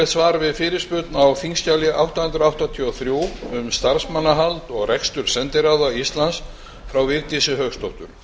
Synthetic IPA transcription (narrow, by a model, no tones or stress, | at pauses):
ɛt̪svaːɾvɪðfɪːɾɪspʏt̪nawfiŋscaljɪʔawht̪ahʏnt̪ɾawht̪at̪ʰiɔθɾjuwʏmst̪aɾsmanːaɦalt̪ɔɣrɛkst̪ʏɾ̥sɛnt̪ɪɾawðaist̪lans | fɾawvɪɾt̪isɪɦœɣst̪ʰɔwht̪ʏɾ̥